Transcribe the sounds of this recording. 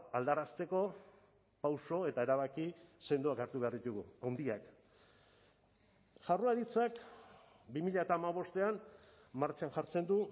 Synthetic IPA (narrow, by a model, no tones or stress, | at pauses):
ald̪aɾast̪e̞ko̞ | pawso̞e̞t̪ae̞ɾaβakise̞nd̪uakaɾt̪uβe̞aɾðit̪uɣuawnd̪iak | ʝaruaɾit͡sak | bimiʎaet̪aːmaβ̞o̞st̪e̞an | maɾt͡ʃaŋʝaɾt͡se̞nd̪u